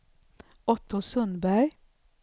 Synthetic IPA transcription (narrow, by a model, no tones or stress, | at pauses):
ɔt̪ʰʊsœnbæɾ